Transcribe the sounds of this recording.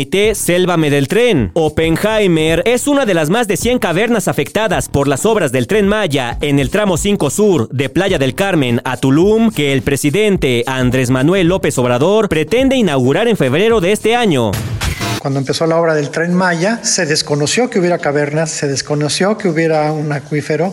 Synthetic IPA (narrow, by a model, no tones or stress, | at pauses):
jt̪eselβameðe̞lt̪ɾe̞no̞peŋxajmeɾe̞sunaðe̞lazmazðe̞sje̞ŋkaβe̞ɾnasafe̞kt̪aðaspo̞ɾlaso̞βɾazðe̞lt̪ɾe̞nmaʝae̞ne̞lt̪ɾamo̞siŋko̞suɾðe̞plaʝaðe̞lkaɾmẽ̞nat̪ulumke̞ːlpɾe̞siðe̞nt̪e̞and̪ɾe̞zmanwe̞lːo̞pe̞so̞βɾaðo̞ɾpɾe̞t̪e̞nd̪e̞inawɣuɾaɾe̞ɱfe̞βɾe̞ɾo̞ðe̞est̪e̞aɲo̞̰kwand̪oempe̞so̞lao̞βɾaðe̞lt̪ɾenmaʝase̞ðe̞sko̞nosjo̞keuβjeɾakaβe̞ɾnasːe̞ðeskonosjo̞keuβje̞ɾaunakwife̞ɾo